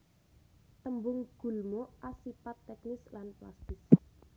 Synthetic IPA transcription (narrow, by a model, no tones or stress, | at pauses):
t̪əmbʊŋɡ̥ṳlmoʔasipat̪ːɛknɪslanpla̰st̪ɪs